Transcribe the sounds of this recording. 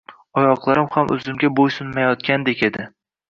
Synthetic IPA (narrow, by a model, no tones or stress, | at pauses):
ɒjɒqlˠaɾɪmhamʔɵ̰zɪmɡʲabojsʊnmajɒt̪̚kʲand̪ekʲe̞d̪ɪ